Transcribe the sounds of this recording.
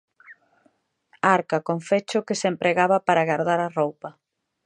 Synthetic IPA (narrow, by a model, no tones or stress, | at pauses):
aɾkakoɱfet͡ʃʊkɪsempɾeɣaβɐpaɾaɣaɾðaɾarowpɐ